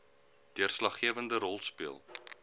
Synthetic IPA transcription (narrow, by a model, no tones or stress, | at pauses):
d̥iərslɐχːiəvəndəɾɔlˠspiəlˠ